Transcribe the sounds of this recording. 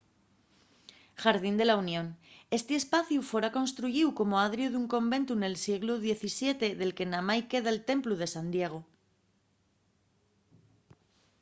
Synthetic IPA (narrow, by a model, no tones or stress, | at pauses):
xaɾðind̪e̞launjõ̞ne̞st̪eːspaθjufwe̞ɾako̞nst̪ɾuʝiwko̞moaðɾjuðuŋkõ̞mbẽ̞nt̪une̞lsje̞ɣ̞luðje̞θisje̞t̪e̞ðe̞lke̞namajke̞ðaelt̪e̞mpluð̞e̞sand̪je̞ɣ̞o